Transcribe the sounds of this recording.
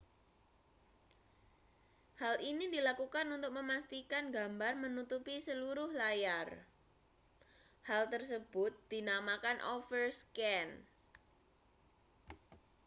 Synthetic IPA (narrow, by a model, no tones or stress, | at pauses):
halinidilakukanunt̪ʊk̚məmast̪ikanɡambarmənut̪upisəluɾʊhlajar | halt̪ərsəb̥ʊt̪̚d̪̥i̤namakanʔɔfərskɛn